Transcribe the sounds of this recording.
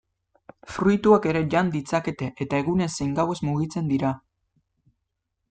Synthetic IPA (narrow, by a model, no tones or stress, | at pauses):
fɾujt̪uake̞ɾe̞ʎand̪it͡sake̞t̪e̞ʔet̪ae̞ɣ̞une̞sejŋɡawe̞zmuɣ̞it͡se̞nd̪iɾa